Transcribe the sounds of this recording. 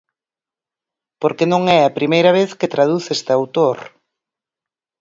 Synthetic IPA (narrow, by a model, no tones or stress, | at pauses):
poɾkenõŋɛɐpɾimejɾɐβ̞eθket̪ɾað̞uθest̪ɪawt̪oɾ